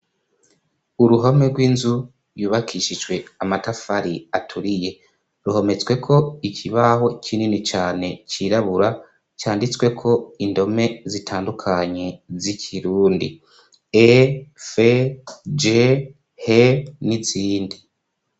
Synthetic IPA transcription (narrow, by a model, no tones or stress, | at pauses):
uɾuɦomeɾɡwiːnzu | ɾjuːβakʰiʃid͡ʒɡwe̞amatafaɾiatʰuɾije̞ | ɾuhe̞me̞t͡swe̞kʰo̞icʰiβaɦo̞cʰininit͡ʃaːne̞t͡ʃiɾaβuɾa | caːndit͡swe̞kʰo̞indo̞me̞zitʰaːndukʰaɲe̞zikʰiɾuːndḭ | efed͡ʒe | heniziːndi